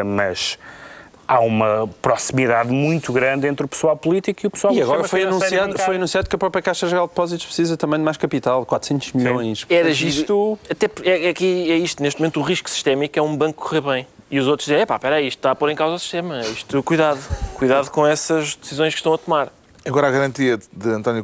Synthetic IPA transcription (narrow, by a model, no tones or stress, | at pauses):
mɐʃ | aumɐpɾɔsimiðaðmũj̃t̪uɣɾɐ̃nd̪ẽnt̪ɾupswalˠpulˠit̪ikiupswalˠiɐɣɔɾɐfojɐnũsiaðfojɐnũsiaðukɐpɾɔpɾiɐkaʃɐʒɾalˠd̪̚pɔzit̪u̥ʃpɾsizɐt̪ɐ̃mɐ̃j̃d̪majʃkɐpit̪alˠkwat̪ɾ̥sẽnt̪uʒmiʎõj̃ʃɛðɐʒt̪uɐt̪ɛpɛɛkiɛiʃt̪uneʃt̪mẽnt̪uʁiʃksi̥ʃt̪ɛmikɛũbɐ̃ŋkkːkːuʁeɾβɐ̃j̃ | iuzot̪ɾʒðizẽɛpapɛɾɐiʃt̪ːt̪aɐpoɾẽkawzɔwsi̥ʃt̪emɐiʃt̪ukujðaðukujðaðukõɛsɐʒd̪ɨsizõj̃ʃkʃt̪ɐ̃w̃ɐt̪umaɾ | ɐɣɔɾaɣɐɾɐ̃nt̪iɐðɨɐ̃nt̪ɔnju